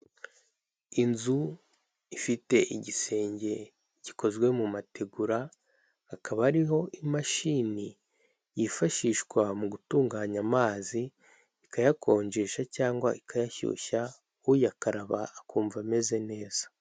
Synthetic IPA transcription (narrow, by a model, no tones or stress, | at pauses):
inzu | ifite̞ʔiɟise̞ːɲɟe̞ | ɟ̥i̥kʰo̞zɡwe̞mumate̞ɡuɾa | akʰaβaɾiɦo̞ʔimaʃini | jifaʃiːʃkwamuɡutuːŋɡaːɲamaːziː | kajakʰo̞ːɲd͡ʒeːʃacaːŋɡwaikʰajaçṵːça | ujakaɾaβa̰ːkuːɱvame̞ze̞ne̞ːz̥ḁ